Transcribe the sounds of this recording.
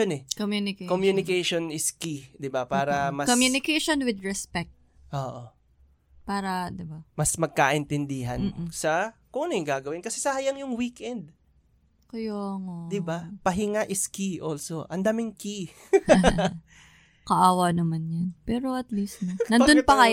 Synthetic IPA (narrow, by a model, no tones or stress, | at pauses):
jonɛkomjunɪkekomjunɪkɛjʃonɪskid̪ɪbapaːɾɐmɐkomjunɪkejʃonwɪd̪ɹɛspɛk̚t̪̚ | ʔoːʔo | paːɾɐd̪ɪbamɐsmɐɡ̚kaʔɪnt̪ɛnd̪iɦɐnːsɐkunɪɡaːɡɐwɪnkɐsɛsɐhɐjɐŋjʊŋwikʔɛnd̪̚ | kʊjoɐŋod̪ɪbapɐɦɪŋaʔɪskiʔolso̞ʔɐnd̪aːmɪŋki | kɐʔaːwɐnɐmanjɐnpɛːɾoɐt̪list̪nɐnɐnd̪onpɐkɐj